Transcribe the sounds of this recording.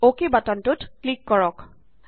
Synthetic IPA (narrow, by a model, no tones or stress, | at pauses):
okebatɔntʊtklikːɔɹɔk